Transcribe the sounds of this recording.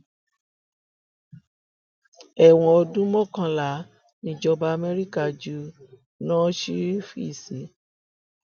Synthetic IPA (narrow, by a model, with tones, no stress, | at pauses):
ɛ˦˨w̃ɔ̃˧ɔ˧dũ˦mɔ̃˦kã˧la˨˦ | nĩ˧˦d͡ʒɔ˧ba˧a˧mɛ˦ɾi˦ka˦˨d͡ʒu˦ | nãː˦ʃi˦fi˦˨si˨˦